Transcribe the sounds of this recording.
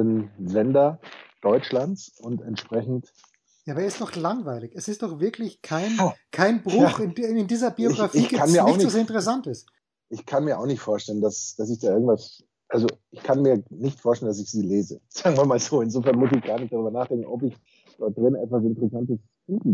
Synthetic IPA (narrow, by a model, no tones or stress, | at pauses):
əmzɛndɐd̥ɔʏt͡ʃlant͡sʊntɛntʃpʁ̥ɛçn̩t | jaːbɐɛɐɪstd̥ɔχlaŋvaɪlɪçɛsɪst̚d̥ɔχv̥ɪɐkʰlɪçkʰaɪnkʰaɪnbʁʊaːxɪnɪndiːzɐbioɡʁafɪiːɡkʰːanmiːɐaʊɪnɪzɐɪntəʁɛsantɪst | ʔɪçkʰanmiːɐʔaʊxnɪçtfoːɐʃtɛləndasd̥as̬ɪçd̥aːɪɐɡŋ̩tv̥as | ʔalzoʔɪçkʰanmiːɐnɪçtfoːɐʃtɛləndas̬ɪçz̥iːleːzə̰z̥aːɡŋ̩viːɐnmaːlzoːɪnzoːfɛɐnmʊs̬ɪçɡ̥aːɐnɪçt̚d̥aʁyːbɐnaːχd̥ɛŋkŋ̩ɔpɪç | d̥ɔɐt̚d̥ʁɪnnɛtv̥as̬ɪntəʁɛsantəs | fiːtm̩